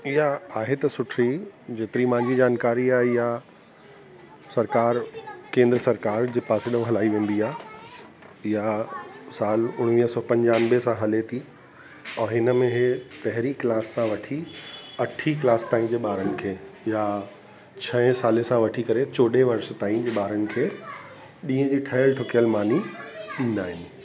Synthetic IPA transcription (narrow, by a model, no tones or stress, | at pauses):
ɪɦaaːɦet̪ɐsʊʈʰɾid͡ʑeːt̪ɾimãɪ̃ɲd͡ʑid͡ʑaːnkaːɾiaːɦeja | sɐɾkaːɾkẽːnd̪ɾəsɐɾkaːɾd͡ʑeːpaːsɪɗəõɦɐlaːiʋẽːn̆d̪iaːɦe | ɪɦasaːlʊɽ̃ʋiːɦəsɔːpɐ̃ɲd͡ʑaːnɪbesãɦɐlet̪ʰi | ɔːɦɪnəmẽɦepɐɦɪɾiklaːssãʋɐʈʰiɐʈʰiklaːst̪aːĩd͡ʑeːɓaːɾənɪ̆kʰeːja | t͡ɕʰɐ̃ɪ̃saːlesãʋɐʈʰikɐɾet͡ɕoːɖeʋɐɾs̆t̪aːĩd͡ʑeːɓaːɾənɪ̆kʰeː | ɗĩːə̃d͡ʑiːʈʰəjəlʈ̪ʰoːkjəlmaːniɗĩːnd̪aːɦɪnɪ̆